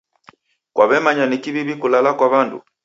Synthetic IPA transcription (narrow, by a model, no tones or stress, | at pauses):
kwʔaβɛmaɲanikiβiβikulalakwaβandṵ